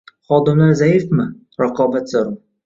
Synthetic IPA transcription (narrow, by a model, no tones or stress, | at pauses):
χɒːd̪ɪmlaɾzajɪfmɪ | ɾaqʰɒːbat̪zoɾm